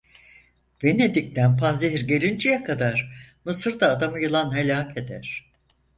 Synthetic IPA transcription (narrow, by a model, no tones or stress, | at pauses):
b̥ened̪ic̚t̪ænpʰanzeɦiɾɟeɾʲind͡ʒijakʰad̪aɾ̥mɯsɯɾd̪aːd̪amɯjɯlˠanɦelʲaːkʰe̞d̪æɾ̥